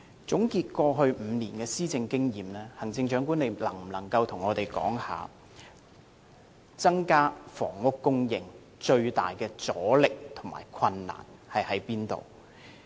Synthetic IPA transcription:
t͡sʊ˨˥ŋkiː˧t̚kɔː˧ɦɵ˧ɥm̩˨˧niː˨˩nkɛː˧siː˥t͡sɪ˧ŋkɪ˥ŋjiː˨˩mlɛː˥hɐ˨˩ŋt͡sɪ˧ŋt͡ʃœː˨˥ŋkuː˥ne˨˧jlɐ˨˩ŋm̩˨˩lɐ˨˩ŋkɐ˧wt̪ʰʊ˨˩ŋɔː˨˧t̪e˨˩jkɔ̰ː˨˥ŋha̰ː˨ | t͡sɐ˥ŋkaː˥fɔ̰ː˨˩ŋːʊ˥kːʊ˥ŋjɪ˨˧ŋ | t͡ʃɵ˧ɥt̪a̰ː˨jkɛː˧t͡sɔː˨˥lɪ˨k̚t̪ʰʊ˨˩ŋmʔa̰ː˨˩jkʰɐ˧nːa̰ː˨˩n | hɐ˨jhɐ˨˥jpiː˥nt̪o̰˨˩w

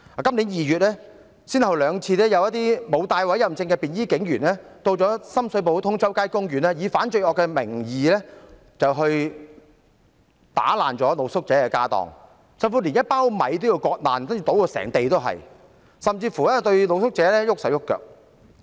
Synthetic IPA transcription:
aː˨˩kɐ˥mli˨˥njiː˨jyː˨t̚lɛː˥ | siː˥nhɐ˨˩wlœː˨˧ŋt͡sʰiː˧lɛː˥jɐ˨˧wjɐ˥t̪̚iː˥mo˨˧wt̪aː˧jwɐ˨˥jɐ˨mt͡sɪ˧ŋkɛː˧piː˨njiː˥kɪ˨˥ŋjyː˨˩nlɛː˥t̪o˧wt͡ʃɔː˨˥sɐ˥msɵ˨˧ɥp̬o˨˧wt̪ʰʊ˥ŋt͡sɐ˥wkaː˥jkʊ˥ŋjyː˨˩nɛː˥jiː˨˧faː˨˥nt͡ʃɵ˧ɥʔɔː˨kːɛ˧mɪ̰˨˩ŋjiː˨lɛː˥ | t͡sɐ˨wɦɵ˧ɥ | t̪a̰ː˨˥la̰ː˨nt͡ʃɔː˨˥lo˨˧wsʊ˥k̚t͡sɛː˨˥kɛː˧kaː˥t̪ɔ̰ː˨ŋ | sɐ˧mfuː˧˥li˨˩njɐ˥t̚paː˥wmɐ̰˨˧jt̪o˥ji˧wkɔː˧k̚la̰ː˨nsɐ˥ni˧t̪o˨˥wkɔː˧sɛ̰ː˨˩ŋt̪e˨jt̪o˥wɦɐ̰˨j | sɐ˨mt͡siː˧fuː˨˩lɛː˥t̪ɵ˧ɥlo˨˧wsʊ˥k̚t͡sɛː˨˥lɛː˥jʊ˥k̚sɐ˨˩wjʊ˥kːœ̰˨k̚

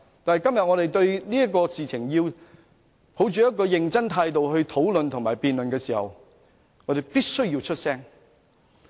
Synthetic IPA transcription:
t̪aː˨nɦjkɐ˥mjɐ˨t̚ŋɔː˨˧d̪e˨˩jt̪ɵ˧ɥliː˥jɐ˥kɔː˧siː˨t͡sʰɪ˨˩ŋjiː˧w | pʰo˨˥wt͡ʃyː˨˥jɐ˥t̚kɔː˧jɪ˨˩ŋt͡sɐ˥ŋt̪ʰaː˧jt̪o˨wɦɵ˧ɥt̪ʰo˨˥wlɵ˨˧nt̪ʰʊ˨ŋmaː˨˩jpiː˨nlɵ˨nkɛː˧siː˨˩hɐ̰˨w | ŋɔː˨˧d̪e˨˩jpiː˥t̚sɵ˥ɥjiː˧wt͡ʃʰɵ˥t̚sɛː˥ŋ

